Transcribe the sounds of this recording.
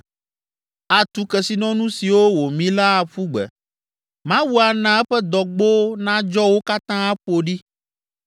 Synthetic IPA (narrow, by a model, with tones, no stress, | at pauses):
a˨t̪u˨kɛ˨si˨nɔ̃˦nũ˦si˨wo˦wo˨mĩ˦la˦a˨ɸu˦ɡ͡bɛ̰˨ | mã˦wu˦a˨nã˨ɛ˦ɸɛ˦d̪ɔ˨ɡ͡bo˦nã˦d͡ʒɔ˦wo˦ka˦t̪ã˦a˦ɸo˨ɖi˦